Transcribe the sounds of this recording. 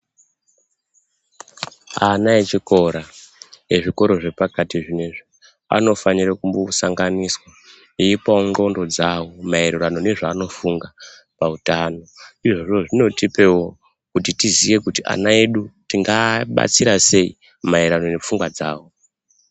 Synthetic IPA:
anaet͡ʃiko̞ɾaeʐiko̞ɾo̞ʐe̞pakatiʐineʐi | a̰no̞faniɾakumbosaŋɡaniswa | iipaoŋɡo̞ndo̞d͡zawo̞maeɾerano̞ne̞ʐaːno̞fuŋɡa | pautano̞iʐoʐo̞ʐino̞tipe̞wo̞ | kutitizije̞kutiʔa̰nae̞ɗutiŋɡaɓa̰t͡siɾase̞ḭ | maiɾano̞ne̞p͡fuŋɡwad͡zaːwo̞

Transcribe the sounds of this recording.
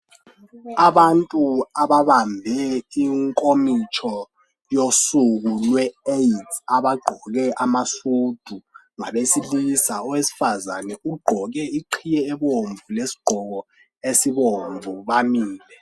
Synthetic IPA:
aɓantʼuaɓaɓambʱɛiŋkʼomit͡ʃʰɔ | josuk̬ulwɛeitʰaɓaɡ͡ǃʱɔk̬ɛʔamasud̥ʱu | ŋaɓesilisaɔwesi̥fazanɛuɡ͡ǃʱɔk̬ɛiǃʰijɛːɓoɱvʱulesi̥ɡ͡ǃ̥ʱɔk̬ɔ | esiɓoɱvʱuɓamiːlɛ

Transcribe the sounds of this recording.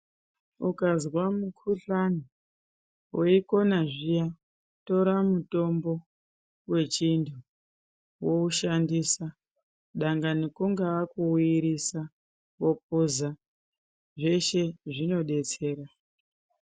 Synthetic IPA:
ukazwamukʰuɬani | woiko̞naʐija | to̞ɾamuto̞mbo̞ | we̞t͡ʃindʰu | wo̞uʃandisa | ɗaŋɡanikuŋɡaakuwiɾisa | wo̞p̚uza | ʐe̞ʃe̞ʐino̞ɗe̞t͡se̞ːɾa

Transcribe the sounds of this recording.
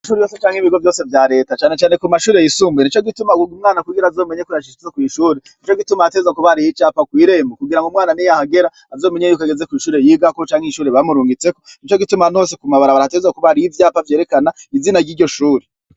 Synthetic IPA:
ʃuːɾijoset͡ʃaːŋ̥hiβiɡo̞vjo̞ːse̞vjaɾe̞ːtat͡ʃaːne̞t͡ʃaːne̞kumaʃuːɾe̞jisuːmbwenit͡ʃo̞ɡitumaɡuɡumŋaːnakuɡiɾaːzo̞ːme̞ɲekujaʃiizakwiːʃuːɾenit͡ʃo̞ɡitumaatezakuβaɾijit͡ʃaːpakwiːɾe̞ːmbokuɡiɾaŋɡumŋaːnanijahaɡe̞ɾaːzoːme̞ɲejuːkaɡe̞zekwiːʃuːɾe̞jiːɡakot͡ʃaːŋiʃuːɾeβamuɾuːŋɡit͡se̞konit͡ʃo̞ɡitumano̞ːsekumaβaɾaβaɾaatezakuβaɾijivjaːpavje̞ɾe̞kanaizinaɾɡiːɾɟo̞ʃuːɾe

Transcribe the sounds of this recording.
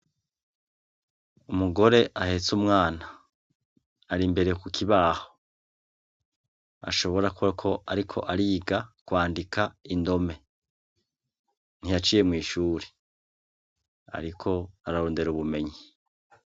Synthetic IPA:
umuɡo̞ɾe̞ʔahe̞t͡sumŋaːna | ɾimbe̞ɾe̞kukʰiβaːho̥ | a̰ʃo̞βo̞ɾakukʰo̞ʔaɾikʰo̞̰ʔaɾiːɡakwaːndikʰaindo̞me̞ | n̥ijat͡ʃiːje̞mŋiːʃuːɾe̥ | a̰ɾikʰo̞aɾaɾoːnde̞ɾuβume̞ɲi

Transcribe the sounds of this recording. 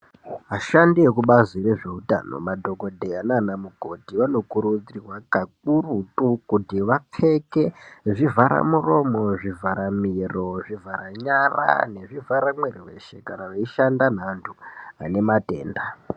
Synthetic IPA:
ɦaʃandije̞kuɓaziɾeʐe̞uta̰no̰madʱo̞ɡʱo̞dʱeananamuɡʱo̞tiʋano̞kuɾud͡ziirwakak̚urutukutiʋap͡fe̞ke̞ʐivʱaɾa̰muro̞mo̞ʐivaɾamiro̞ʐivʱaɾaɲara̰ne̞ʐivʱaɾamweriwe̞̰ʃe̞̰kanaʋeiʃandan̤antʰuane̞mate̞̰ːnda

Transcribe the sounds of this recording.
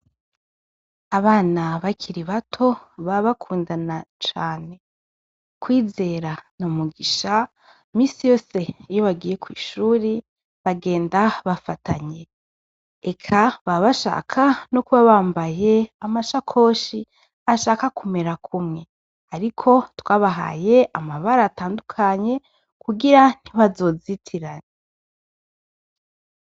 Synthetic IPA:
aβaːnaβacʰiɾiβatʰo̞βaβakʰuːndanat͡ʃaːne̞ | kwiːze̞ɾanomuɡiʃa | miːsijo̞ːse̞ijoβaɡiːje̞kwḭːʃuːɾi | βaɡe̞ːndaβafatʰaɲe̞ | ekʰaβaβaʃa̰ːkʰanokuβaβaːmbaje̞amaʃakʰo̞ːʃi | aʃaːkakume̞ɾakʰumŋe̞ | aɾikʰo̞twaβaɦa̰ːje̞ʔamaβaɾataːndukʰaɲe̞ | kuɡiɾan̥iβazo̞ːzitʰiɾane

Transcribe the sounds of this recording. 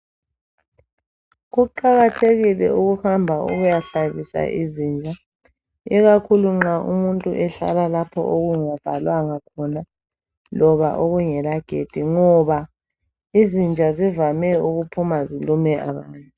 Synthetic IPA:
ɣuǃaɣatʰeɣilɛ̰uɣuhambʱaṵɣujaɬaβisa̰ʔizind͡ʒʱa | iɣakʰuluŋ͡ǁaʔṵmuntʼuʔɛɬa̰lalapʰɔ̰ʔoɣuŋav̥ʱalwaŋakʰɔna | lɔβa̰ʔoɣuŋɛlaɡ̥ʱed̥ʱiŋɔβa | izind͡ʒʱazivamɛuɣupʰumazilumɛʔaβaːntʼu

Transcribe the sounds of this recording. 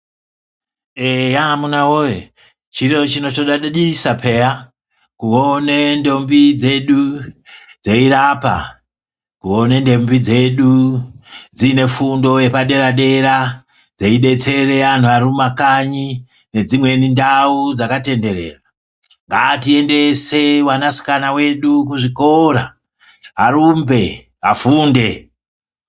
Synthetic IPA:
ejamunawoje | t͡ʃirot͡ʃino̞t͡ʃoɗaɗɗisapʰe̞ja | kuonendo̞mbid͡ze̞ɗu | d͡zeiɾapa̰ | kuo̞ne̞nde̞mbid͡ze̞ɗu | d͡zine̞fundo̞je̞paɗe̞ɾaɗe̞ɾa | d͡zeiɗe̞t͡se̞re̞an̤uaɾumakaɲi | ne̞d͡zimwe̞nindaud͡zakate̞nde̞ɾḛːra | ŋɡatie̞nde̞se̞wanasi̥kanawe̞ɗuk̬uʐiko̞ra | ɦaɾumbe̞ | ɦafuːnde̞

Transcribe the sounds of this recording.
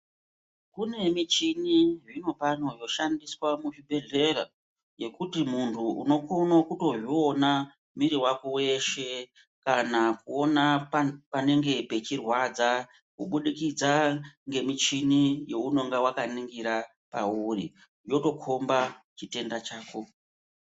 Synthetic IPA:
kune̞mit͡ʃiniʐino̞pano̞jo̞ʃandiswamuʐibʱe̞ɮe̞ra̰ | je̞kutimuntʰuṵno̞ko̞nakuto̞ʐio̞na | miɾiwakowe̞ʃe̞ | kanakuo̞napane̞ŋɡe̞pe̞t͡ʃirwad͡za | kuɓuɗikid͡zaŋɡe̞mit͡ʃinijo̞uno̞ŋɡewakaniŋɡiɾa | pa̰urḭ | jo̞to̞kʰo̞mba | t͡ʃite̞ndat͡ʃaːko

